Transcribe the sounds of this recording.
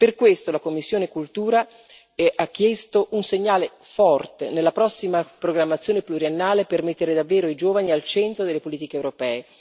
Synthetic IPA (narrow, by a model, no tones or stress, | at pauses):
perkwest̪olakomːisːjoːnekult̪uːɾa | ak̟ːjɛst̪oʔunseɲːaːle | fɔrt̪enelːapɾɔsːimapɾoɡɾamːat̪sːjoːnepluɾienːaːlepermet̪ːeɾed̪avːɛːɾoid͡ʒoːvanialt͡ʃɛnt̪ɾod̪elːepoliːt̪ikeːwɾopɛːe